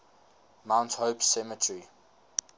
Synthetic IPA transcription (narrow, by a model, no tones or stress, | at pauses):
mãʊ̃nthoʊpsɛmətʰɹi